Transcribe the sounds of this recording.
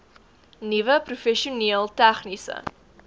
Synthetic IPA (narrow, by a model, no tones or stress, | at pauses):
nivəprufɛʃiuniəlˠtæχnisə̰